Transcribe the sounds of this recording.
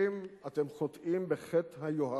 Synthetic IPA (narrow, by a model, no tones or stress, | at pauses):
imat̪emχot̪ʔimbeχet̪hajoɦa